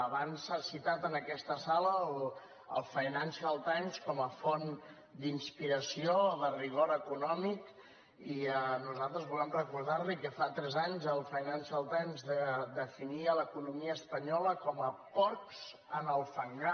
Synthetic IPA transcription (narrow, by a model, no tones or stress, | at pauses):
əβansasit̪at̪ənəkɛst̪əsaləl | ə̰lˠfəjnansiəlˠt̪amskɔməfon | d̪inspiɾəsioðəriɣoɾəkunɔmik | iənuzalˠt̪ɾəzβulɛmrəkuɾðaɾlikəfat̪ɾɛzaɲzəlˠfəjnansəlˠt̪ajmzðəd̪əfiniələkunumiəːspəɲɔləkɔməpɔɾkz | ənəlˠfəŋɡa